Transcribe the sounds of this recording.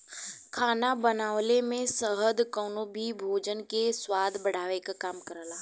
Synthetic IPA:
kʰaːnabənaːʋlemẽsəɦəd̪kɔːnobʱibʱoːd͡ʒənkeswaːd̪ʱbɐɽ̤aːʋekakaːmkəɾəlaː

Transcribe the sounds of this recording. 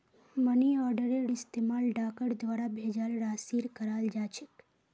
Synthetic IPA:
məniɔɾɖəɾeɽɪst̪emalɖakəɽd̪ʋaɾabʱed͡ʒalɾasiɾkəɾald͡ʒat͡ʃʰek

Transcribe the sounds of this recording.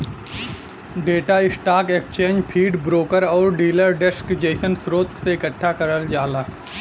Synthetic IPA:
ɖeːʈaɪsʈaːkekt͡ʃẽːnd͡ʒpʰiːɖbɾoːkəɾɔːɾɖiːləɾɖɛskd͡ʒeːsənsɾoːt̪seɪkəʈʰːakɐɾəld͡ʒaːlaː

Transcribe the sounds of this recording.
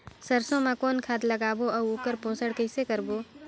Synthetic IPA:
səɾsõmãkoːnkʰaːt̪lɐɡaːboɐoːkəɾpõːsəɽkəɪsekəɾboː

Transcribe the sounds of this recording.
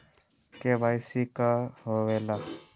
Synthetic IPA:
kebajsikaɦowela

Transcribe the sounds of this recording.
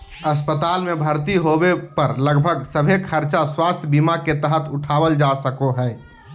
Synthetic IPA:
əspət̪aːlmebʱəɾt̪iɦobepəɾləɡbʱəɡsəbʱekʰəɾt͡ʃaswaːst̪ʰbimaket̪əɦət̪ʰʊʈʰaːbəld͡ʒasəkoɦɛː

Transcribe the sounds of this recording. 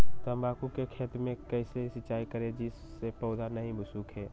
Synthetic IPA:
t̪oɐmbaːkukekʰeːt̪ɾmẽkɛːseɦisɪt͡ʃːaːikɐɾẽd͡ʒɪsːepɔːd̪anɐɦĩbʊsuːkɦɛː

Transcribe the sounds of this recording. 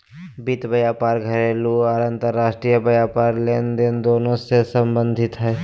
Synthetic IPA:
bit̪bəjaːpaːɾɡʱəɾeːluaɾə̃nt̪əɾːaːsʈɾijəbəjaːpaːɾleːnd̪end̪oːnõsesə̃mbə̃nd̪ʱɪt̪ɦɛː

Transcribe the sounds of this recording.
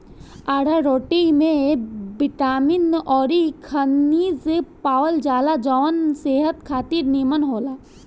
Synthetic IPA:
aːɽaɾoːʈimẽbɪʈaːminɔːɾikʰənːiːzpaːwəld͡ʒaːlad͡ʒɔʋənseːɦət̪kʰaːt̪iɾniːmənɦoːlaː

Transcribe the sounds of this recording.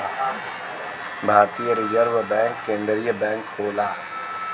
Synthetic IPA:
bʱaːɾt̪ijəɾizəɾʋəbɛ̃ːŋkːẽːnd̪ɾijəbɛ̃ːŋkhoːlaː

